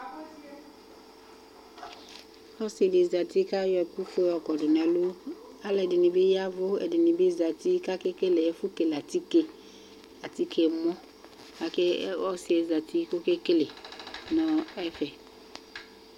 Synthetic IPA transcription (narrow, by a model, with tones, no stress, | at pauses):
hɔ˦se˨dɪ˨za˨ti˦ka˦jɔ˨ku˦fʊ˦ɔ˨kɔ˨dɪ˨n˨ɛ˨lo˦ | a˦lɛ˨dɪ˨nɪ̃˨be˦ja˦vʊ˦ɛ̰˨dɪ˨nɪ̃˨be˦za˨ti˦ka˦ke˦ke˦le˨ɛ˦fʊ˦ke˨la˨ti˦ke˦ | a˨ti˦ke˨mɔ̃˦ | a˨ke˦ɔ˦sɪ˨˦e˨za˨ti˦ko˦ke˦ke˦le˨nɔ̃˨ɛ˦fɛ˨